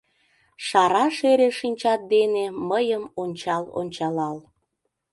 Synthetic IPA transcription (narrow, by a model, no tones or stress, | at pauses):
ʃɑɾɑʃeɾeʃinʲt͡ɕɑt̪̚d̪eneməjəmonʲt͡ɕɑlo̰nʲt͡ɕɑlɑl